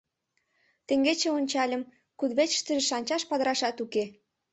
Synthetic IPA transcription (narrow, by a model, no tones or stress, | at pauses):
t̪ĕŋɡet͡ɕeonʲt͡ɕɑlʲə̆m | kud̪βet͡ɕə̥ʃt̪ə̆ʒĕʃɑnʲt͡ɕɑʃpɑd̪əɾɑʃɑt̪uke